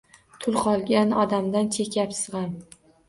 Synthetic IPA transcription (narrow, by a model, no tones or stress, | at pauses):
t̪ʰʊlˠqʰɒlˠɡʲanɒd̪amd̪ant͡ʃʰe̞kʰʲapsɨʁɑn